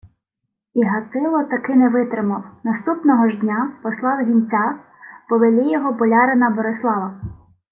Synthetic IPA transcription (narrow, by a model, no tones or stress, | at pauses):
iɦɐt̪ɪlˠɔt̪ɐkɪnɛʋɪt̪ɾɪmɐwnɐst̪upnɔɦɔʒd̪ʲnʲapɔslˠɑwɦʲinʲt͡sʲa | pɔʋelʲijɔɦɔbɔlʲɑɾenɐbɔɾeslˠɑʋɐ